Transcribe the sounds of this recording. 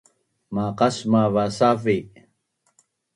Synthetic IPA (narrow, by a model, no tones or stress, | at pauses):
maqasmavasafi